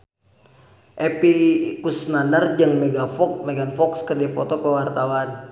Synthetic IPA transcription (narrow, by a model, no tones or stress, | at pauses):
ʔɛpikusnanərd͡ʒəŋmeɡafɔkmeɡanfɔkskərdifot̪ɔkəwart̪awan